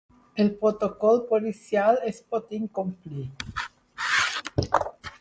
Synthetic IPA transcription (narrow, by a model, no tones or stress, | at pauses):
elpɾot̪okolpolisjalespot̪iŋkompli